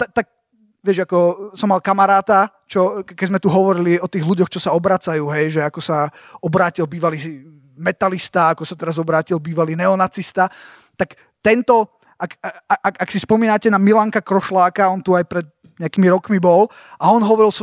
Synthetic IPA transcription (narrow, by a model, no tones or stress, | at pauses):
t̪at̪ak̚ | ʋɪɛʒakɔsɔmːalkamaɾaːt̪a | t͡ʃɔkɛɟzmɛt̪uɦɔʋɔɾiliɔt̪iːɣluɟɔxt͡ʃɔsaɔbɾat͡sajuːɦɛjʒɛakɔsaɔbɾaːcilbiːʋaliː | mɛt̪alist̪aakɔsat̪ɛɾazɔbɾaːcilbiːʋaliːnɛɔnat͡sist̪a | t̪ak | t̪ɛnt̪ɔ | ʔakʔakaksispɔmiːnacɛnamilaŋkakɾɔʃlaːkaɔnt̪uajpɾɛd̪̚ | ɲɛakiːmiɾɔkmibɔlʔaɔnɦɔʋɔɾils